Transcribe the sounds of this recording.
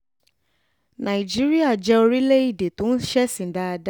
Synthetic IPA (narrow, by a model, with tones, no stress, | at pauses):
nã˨i˨d͡ʒi˦ɾi˦a˦˨d͡ʒɛ˦o˧ɾi˦le˦i˦˨de˨tũ˨˦n̩˦ʃɛ˦sĩ˨da˦a˧da˦